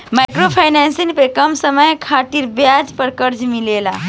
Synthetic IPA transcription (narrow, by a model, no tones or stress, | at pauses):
majkɾopʰajnansinpekəmsəməjkʰat̪iɾbjad͡ʒpəɾkəɾd͡ʒmilela